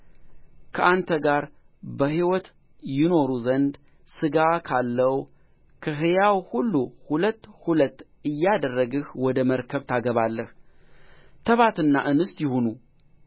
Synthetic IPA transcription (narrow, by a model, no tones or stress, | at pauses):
kʰəʔant̪ʰəɡaɾ | bəɦiwɔt̪ | jɪno̞ɾuzənd̪ | sɨɡakʰalːəw | kʰəɦɨjawhulːuhulət̪ːhulət̪ː | ɨjːad̪ərːəɡɨhwɔd̪əməɾkʰəβt̪ʰaɡəβalːəh | t̪ʰəβat̪ɨnːa̰ʔɨnɨst̪jɪhunu